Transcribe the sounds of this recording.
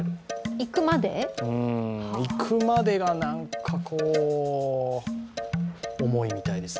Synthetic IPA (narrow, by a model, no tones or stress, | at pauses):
ikɯ̟mad̪e̞̰ɯ̟̃ikʰɯ̟mad̪e̞ɡanãŋkʰakʰoː | mo̞imʲit̪aid̪e̞s